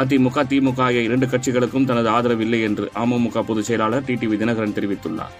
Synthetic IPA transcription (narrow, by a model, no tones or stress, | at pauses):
at̪̬iːmʊkːaːt̪iːmʊkːaːjɐɪɾɛɳɖɯkɐʈ̚t͡ʃɪɣɐɭɯkːɯmt̪ɐnɐðɯaːðɐɾɐʋɪlːɐɪɛndrɯʔaːmɐmʊkːaːpʊðɯt͡ʃːɐjɐlaːɭɐɾʈiːʈiːʋid̪ɪnɐɣɐɾɐnt̪ɛɾɪʋɪt̪ːɯɭːa̰ː